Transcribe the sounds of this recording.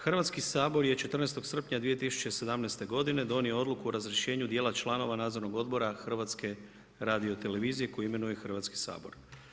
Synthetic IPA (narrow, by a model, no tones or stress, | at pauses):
xr̩ʋat̪skisaːbo̞ɾje̞t͡ʃe̞t̪rnest̪o̞ɡsr̩pɲad̪ʋije̞t̪isu̥t͡ɕe̞se̞d̪amnest̪e̞ɡo̞d̪ine̞d̪o̞nioo̞d̪lˠukuoɾazɾjeʃe̞ːɲud̪jelat͡ʃlˠano̞ʋanaːd̪zo̞ɾnoɡo̞d̪bo̞ɾaxr̩ʋat̪ske̞ | ɾaːd̪io̞t̪e̞le̞ʋiːzije̞ko̞juime̞nujexr̩ʋat̪ski̥sa̰ːbo̞̰ɾ